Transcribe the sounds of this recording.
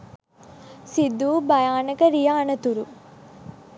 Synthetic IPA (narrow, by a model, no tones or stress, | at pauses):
sid̪ːuːbɐjaːnɐkɐɾijaːnɐt̪uɾu